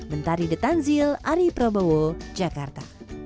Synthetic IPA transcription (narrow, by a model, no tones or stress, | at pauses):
mənt̪aɾidət̪anzilaɾipɾobowod͡ʒakart̪a̰